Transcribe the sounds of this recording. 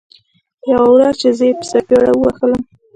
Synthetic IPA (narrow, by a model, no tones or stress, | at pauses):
jawawɾɑt͡ʃezəjepə̥sakeɽawəwaxələm